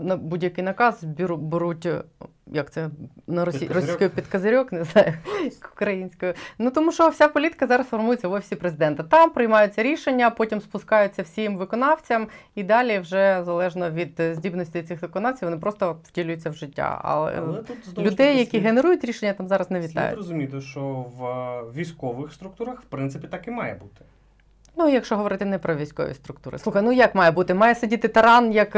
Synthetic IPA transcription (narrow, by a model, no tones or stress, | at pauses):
nɐbudʲjɐkɪjnɐkɑzbʲiɾubeɾutʲ | jɐk̚t̪sɛnɐɾsirɔsʲiskɔjʊpʲid̪kɐzɐɾʲɔkneznɑjʊʊ̥kɾɐjinʲsʲkɔjʊnut̪ɔmuʃt͡ʃɔwsʲapɔlʲit̪ɪ̥kɐzɑɾɐsfɔrmujet͡sʲːɐʋɔfʲi̥sʲipɾezɪd̪ɛnt̪ɐt̪ɑmpɾɪjmɑjʊt͡sʲːɐɾʲiʃenʲːɐpɔtʲimspʊskɑjʊt͡sʲːɐwsʲimʋɪkɔnɑwt͡sʲɐmid̪ɑlʲiwʒɛzɐlˠɛʒnɔʋʲid̪zʲdʲibnɔsʲtʲɪj̪sɪxʋɪkɔnɑwt͡sʲijwʋɔnɪpɾɔst̪ɔwdʲilʲʊjʊt͡sʲːɐwʒɪtʲːa̰ɐ̰lˠɛ̰lʲʊd̪ɛjːɐkʲiɦeneɾujʊtʲɾʲiʃenʲːɐt̪ɑmzɑɾɐznɛʋʲit̪ːɑ̰j̰ɾɔzʊmʲit̪ɪʃt͡ʃɔʋʋʲijsʲkɔʋɪxst̪ɾʊk̚t̪uɾɐxwpɾɪnt̪sɪpʲit̪ɑkɪmɑjɛbut̪ɪ̥ | nuijɐkʃt͡ʃɔɦɔʋɔɾɪt̪ɪnɛpɾɔʋʲijsʲkɔ̰ʋʲḭst̪ɾʊk̚t̪uɾɪ̰sˠuxɐjnujɐkmɑjɛbut̪ɪmɑjɛsɐdʲit̪ɪt̪ɐɾɑnjɐk